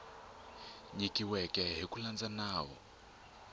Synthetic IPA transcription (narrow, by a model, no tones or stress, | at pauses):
ɲikʼiwɛkʼɛɦikuland͡zanaːwɔ̰